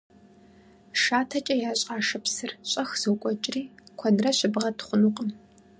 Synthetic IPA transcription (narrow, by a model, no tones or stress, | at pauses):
ʂaːtʰɐt͡ʃʼɐjaːɕʼaːʂɐpsɨrɕʼɐxz̥ɨwkʷʼɔt͡ʃʼɪriːkʷʰɐnrɐɕɪbʁɐtχʷʊnuqʼəm